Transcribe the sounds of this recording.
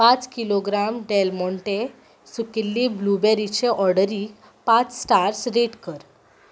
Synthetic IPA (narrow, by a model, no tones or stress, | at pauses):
pat͡skiloɡɾamɖelmɔɳʈe | sukilːiblubeɾit͡ɕeʔɔɾɽəɾik | pat͡ssʈaɾsɾeʈkəɾ